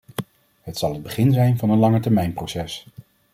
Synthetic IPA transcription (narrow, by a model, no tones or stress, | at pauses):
ɦətsɑlˠɦəd̚bəχɪnzɛjnvɑnənlɑŋətɛɹmɛjnprowsɛs